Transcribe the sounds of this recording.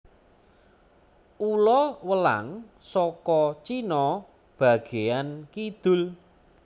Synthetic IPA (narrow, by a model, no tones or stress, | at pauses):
ulɔwəla̰ŋsɔkɔt͡ʃinɔ | b̥ä̤ɡ̥eankid̪̥ʊ̤l